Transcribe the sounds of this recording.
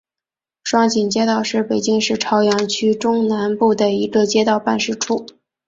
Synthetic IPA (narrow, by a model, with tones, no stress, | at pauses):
ʂwɑ˥˩ŋt͡ɕi˨˩nt͡ɕjɛ˥t̪ɑ˥˩ʊʂɻ̩˥˩pe˨˩ɪt͡ɕi˥ŋʂɻ̩˥˩ʈ͡ʂʰɑ˧˥ʊjɛ˧˥nt͡ɕʰy˥ʈ͡ʂʊ˥ŋna˧˥npu˥˩d̪ə˩i˧˥ɡə˧t͡ɕjɛ˥t̪ɑ˥˧ʊpa˥˧nʂɻ̩˥˩ʈ͡ʂʰu˥˩